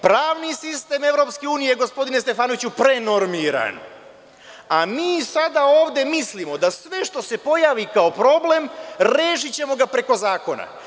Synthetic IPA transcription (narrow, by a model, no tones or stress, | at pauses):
pɾaːʋnisist̪e̞me̞ʋɾo̞pske̞uːnijeɡo̞spo̞d̪ine̞st̪e̞faːnoit͡ɕupɾe̞no̞ɾmiɾa̰n | amiːsad̪aoːʋd̪e̞mislimo̞d̪asʋe̞ʃt̪o̞se̞po̞jaːʋikao̞pɾo̞ble̞mɾeːʃ̬it͡ɕe̞mo̞ɡapɾe̞ko̞zaːko̞na̰